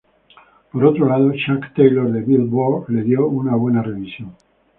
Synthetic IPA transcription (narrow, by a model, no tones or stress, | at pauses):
po̞ɾo̞t̪ɾo̞lað̞o̞ʃakt̪ejloɾðe̞βilβole̞ðjo̞unaβwe̞nare̞βisjoŋ